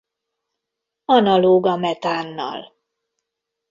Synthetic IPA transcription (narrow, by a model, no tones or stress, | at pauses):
ɒnɒloːɡɒmɛt̪aːnːɒ̰l